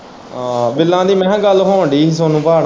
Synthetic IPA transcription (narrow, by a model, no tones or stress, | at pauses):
bɪlːãːd̪iːmɛ̃ːɡəlɦoːɳɖiːs̬oːnũːpaːɽ